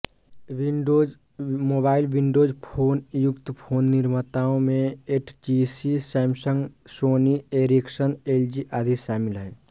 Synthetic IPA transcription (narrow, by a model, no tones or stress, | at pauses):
ʋiɖoːd͡ʒ | moːbaːɪilʋiɳɖoːd͡ʒpʰoːnjʊkt̪pʰoːnːiɾmət̪aːõmẽeʈʰt͡ʃisisaːmsə̃ŋɡsoːnieɾiksəneld͡ʒiʔaːd̪ʱiʃaːmilɦɛː